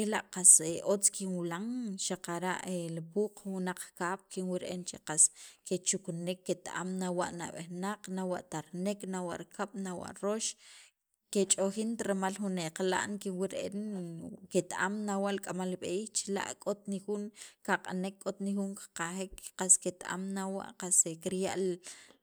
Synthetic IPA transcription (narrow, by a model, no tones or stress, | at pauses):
elaʔqaseʔot͡skinwilaŋʃaqaɾaʔelipuːqwunaq͡χkaːɓ̥kʰinwiɾeʔent͡ʃeqasket͡ʃuknekːet̪aʔa̰mnawaʔna̰ɓehnaq͡χnawaʔt̪aɾneknawa̰ʔɾkaɓ̥nawa̰ʔɾoʃ | ket͡ʃʼoxint̪ɾemalxuneqala̰ʔŋkinwiɾeʔenket̪aʔamnawaʔlkʼamalɓeiːxt͡ʃila̰ʔkʼot̪̚nixunkaqʼanekʼːot̪nixuŋkḁqaxekqasket̪aʔa̰mnawa̰ʔqasekiɾjaʔl